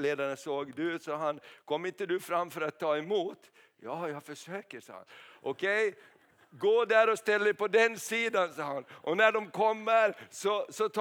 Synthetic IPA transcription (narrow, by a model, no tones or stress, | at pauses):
leːd̪aɳəsoːɡd̪ʉʉːt̪sɑːɦankʰɔmːɪnt̪əd̪ɵfɾamːfœɾat̪ʰːɑːɛmuːt̪ | jɑːjɑɡfœʂøːkəʂɑ̰ːha̰nʔɔkʰɛj | ɡoːɖ̪æɾɔst̪ɛlːəpɔd̪ɛnsiːd̪ansɑːanʔɔnæɖɔmkʰɔmːəɾsɔsɔt̪ʰ